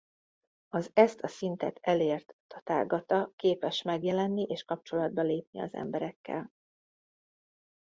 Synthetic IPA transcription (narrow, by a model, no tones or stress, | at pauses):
ɒzɛst̪ʰɒsint̪ɛt̪ɛleːrt̪ɒt̪a̰ːɡɒt̪ɒkeːpɛʃmɛɡjɛlɛnːiʔeːʃkɒp̚t͡ʃo̞lɒd̪̚bɒleːp̚niɒ̰zɛ̰mbɛɾɛkːɛ̰l